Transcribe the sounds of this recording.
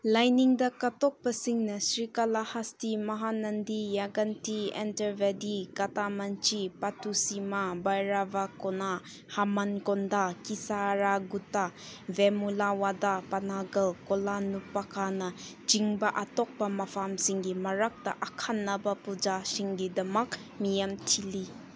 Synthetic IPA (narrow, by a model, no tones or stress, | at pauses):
lajniŋdɐkɐtɔk̚pɐsiŋnɐsɾikɐlahastimɐɦanɐndijaɡɐntiḛntɐɾbedikɐtamɐnt͡ʃipatʰusimabajɾabakɔna | hamɐnkɔndakisaɾaɡutavemulawadapɐnaɡɐlkɔlanupːakʰanɐ | d͡ʒiŋbɐʔatɔk̚bɐmɐpʰamsiŋɡimɐɾɐk̚tɐʔɐkʰanːɐbɐpud͡ʒasiŋɡidɐmɐk̚ | mijɐmtʰili